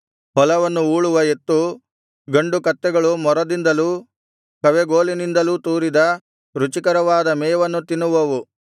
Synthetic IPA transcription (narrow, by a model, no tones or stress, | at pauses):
ɦɔlɐʋɐnːuuːɭuʋɐe̞t̪ːu | ɡɐɳɖukɐt̪ːɛɡɐɭumɔɾɐd̪ind̪ɐluː | kɐʋeɡoːlinind̪ɐluːt̪uːɾid̪ɐ | ɾut͡ʃikɐɾɐʋaːd̪ɐmɛːʋɐnːut̪inːuʋɐʋu